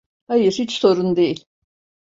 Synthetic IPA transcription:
hajɯɾhit͡ʃso̞ɾund̪ejilʲ

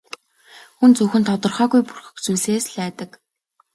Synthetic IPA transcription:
xunt͡suːxɘ̆nt̪ʰɔt̪ɞ̆rχœːɣujpurxɘ̥̆kt͡suːɮeːsɮæːt̪ə̆k

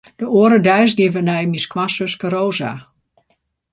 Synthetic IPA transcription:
d̥əoəɾədɛjsɡɪvənɛjmiskwasøskəɾoːza̰

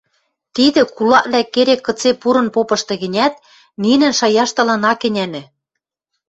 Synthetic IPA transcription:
t̪id̪ɘ̆kulɑʔβlækːeɾekːɤ̆t͡sepuɾɤ̆npopɤ̆ʃt̪ɤ̆ɣɘ̆nʲæt̪̚ | ninɘ̆nʃɑjɑʃt̪ɤ̆lɤ̆nɑkɘ̆nʲænɘ̆

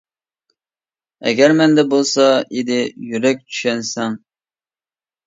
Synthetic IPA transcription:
ɛ̰ɡʲɛɾmɛnd̪ɛbolˠsɑid̪ɪjyɾɛk̚ʲt͡ʃ̪ʰy̥ʃɛnsɛŋ

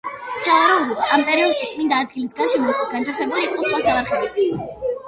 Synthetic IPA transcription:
savaɾaud̪ɔd̪ampʼɛɾiɔd̪ʃit̪sʼmind̪aːd̪̚ɡilisɡanʃɛmɔk̪ʼisɡant̪ʰaɾχɛbuliːq̪ʼɔsχwasaʁaɾχɛɛt̪sʰi

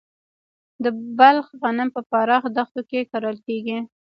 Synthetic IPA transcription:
d̪əbalxɣanɪmpəpɑɾɑxd̪axt̪okekɑɾəlkeɡi

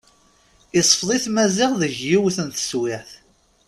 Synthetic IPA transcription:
isˤfðˤiθmæzɪʁðəʝjiwθənt̪ə̥swɪʕθ

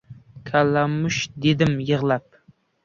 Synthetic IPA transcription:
kʲʰalamʊʃd̪ed̪ɪmjɨʁlˠap̚

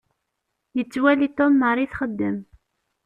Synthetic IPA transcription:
jət͡sːwælit̪omːəɾˤiθχəd̪ːəm

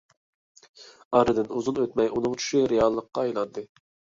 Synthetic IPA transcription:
ɑɾɨd̪ɨnuzunøt̪mɛjunɨŋt͡ʃʰy̥ʃiɾeɑlˠːəqːɑːjlˠɑnd̪ɨ

